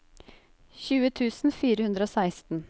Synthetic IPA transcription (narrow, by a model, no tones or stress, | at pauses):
çʉːət̪ʰʉːsn̩fiːɾəhʉnd̪ɾəoːsæɪst̪n̩